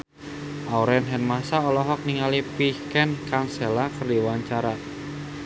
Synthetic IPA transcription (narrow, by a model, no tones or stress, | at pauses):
ʔauɾɛnɦɛnmasaɔlɔɦɔk̚niŋalipikɛnkaŋsɛlakərdiwaɲt͡ʃaɾa